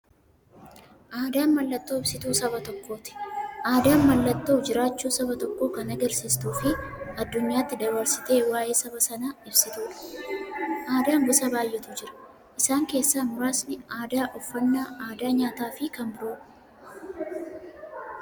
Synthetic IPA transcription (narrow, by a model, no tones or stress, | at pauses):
ʔaːd̪aːnmɐlːɐt̪ːo̞ːɪbsɪt̪uːsɐbɐt̪ɔkːo̞ːt̪ɪ̥ʔaːd̪aːmɐlːɐt̪ːoːd͡ʒɪɾaːt͡ʃːuːsɐbɐt̪ɔkːo̞ːkɐnɐɡɐɾsist̪uːfɪɐd̪ːʊɲːaːt̪ːɪd̪ɐβɐɾsɪ̥t̪e̞ːwaːjʔe̞ːsɐbɐsɐnaːɪbsɪt̪uːᶑɐ̥ | ʔaːd̪aːŋɡʊsɐbaːjːɛt̪ʊd͡ʒɪɾɐ̥ | ʔɪsaːŋke̞ːsːaːmʊɾaːsnɪaːd̪aːʔɔfːɐnːaːʔaːd̪aːɲaːt̪aːfɪkɐnbʊɾuːᶑ